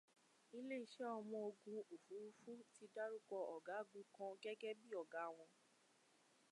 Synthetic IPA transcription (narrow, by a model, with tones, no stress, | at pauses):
i˧le˦i˧ʃɛ˦ɔ˧mɔ̃˧o˧ɡũ˧o˨fu˨˦u˦fu˦ti˧da˦ɾu˦kɔ˧ɔ˨ɡa˨˦˨ɡũ˨˦kɔ̃˧ɡɛ˦ɡɛ˦bi˦ɔ˨ɡa˨˦˨w̃ɔ̃˧